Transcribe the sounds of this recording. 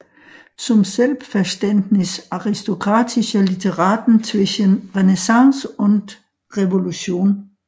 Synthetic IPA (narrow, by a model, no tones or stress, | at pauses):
sʰɔ̽mselʋfæɐsd̥en̰d̥nisɑ̈ʁisd̥o̝kʰʁɑ̈ːd̥ʰiɕəlit͡sʰeʁɑ̈ːd̥n̩t͡sʰʋeɕənʁenesɑ̈ŋsɔn̰d̥ | ʁɛʋo̝luɕo̝̰ːn